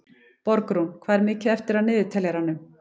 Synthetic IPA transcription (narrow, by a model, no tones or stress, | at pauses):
pɔɾkɾunkʰvaːðɛɾmɪːcɪɛft̪ɪɾawnɪːðɪt̪ʰɛljɛɾanʏm